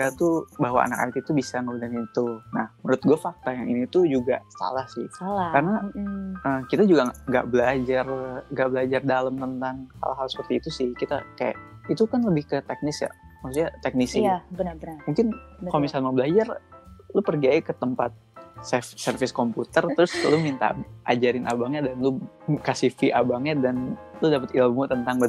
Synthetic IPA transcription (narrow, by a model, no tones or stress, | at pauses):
kat̪ubaɦwa̰a̰naka̰t̪it̪ubisaŋəbunanit̪unahmənɾʊt̪̚ɡuafak̚t̪ajaŋinit̪ud͡ʒuɡa̰sa̰lahsɪ̰halakaɾnaʔəmkit̪ad͡ʒuɡaŋɡa̰ʔbəlad͡ʒarŋɡaʔbəlad͡ʒardaləmt̪ənt̪aŋsa̰laɦalsə̥pərt̪iːt̪usɪhkit̪a̰kaja̰ʔit̪ukanləbɪhkət̪ɛk̚nɪsja̰masut̪ɲat̪ɛk̚nisibənbəmuŋkɪnkamisalmaŋbəlad͡ʒarlupərɡiaikət̪əmpat̪̚sɛfsərfɪskomput̪ərt̪ɾʊslʊmint̪a̰ʔa̰d͡ʒaɾɪnʔa̰baŋɲadanlukasifiʔabaŋɲadanludapət̪ilmut̪ənt̪aŋbə